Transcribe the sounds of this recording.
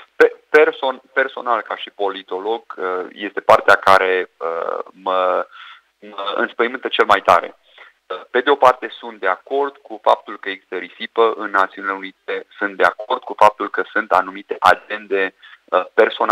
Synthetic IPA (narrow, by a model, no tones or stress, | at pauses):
pepersonpe̞rso̞nalkaʃipo̞lit̪o̞lo̞ɡəje̞st̪e̞part̪eakaɾe̞ə̰mə | məɨ̰nspəjimɨnt̪ət͡ʃe̞lmajt̪a̰ɾe̞̰ | əpe̞d̪eo̞part̪e̞sunt̪̚d̪eako̞rd̪̥kufap̚t̪ulkəekst̪əɾisipəʔɨnːat̪siunileunit̪e̞sunt̪̚d̪e̞ako̞rd̪̥̚kufap̚t̪ulkəsunt̪anumit̪e̞ʔad͡ʒe̞nd̪e̞əpe̞rso̞na